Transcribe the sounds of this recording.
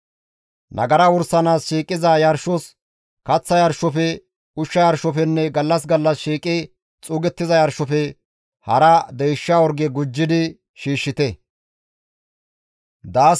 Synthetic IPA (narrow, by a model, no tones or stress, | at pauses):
nʔɐ̰ɡɐɾɐwʊɾsɐnaːsʃiːkʼɪzɐjɐɾʃɔs | kɐt͡sːɐjɐɾʃɔfɛ | ʊʃːɐjɐɾʃɔfɛnːɛɡɐlːɐs̬ɡɐlːɐsʃiːkʼɪ | t͡sʼuːɡɛt̪ːɪzɐjɐɾʃɔfɛ | hɐɾɐd̪ɛjʃːawɔɾɡɛɡʊd͡ʒːɪd̪ɪ | ʃiːʃːɪt̪ɛ | d̪aː